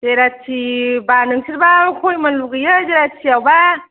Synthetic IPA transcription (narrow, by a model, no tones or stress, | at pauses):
zeɾatʰibanɯŋsʰiɾbakʰojmanluɡɯjɯzeɾat͡ʃʰiawba